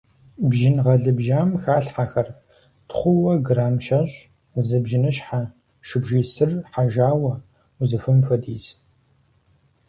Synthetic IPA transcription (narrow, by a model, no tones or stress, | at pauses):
bʒɪnʁɐɮɨbʒaːmxaːɬħaxɐr | tχʷʊwɐɡraːmʃɐɕʼ | zɨbʒɪnɨɕʼħa | ʃɪbʒiːsɨrħaʒaːwɐ | uzɨfɨmfɐdiːz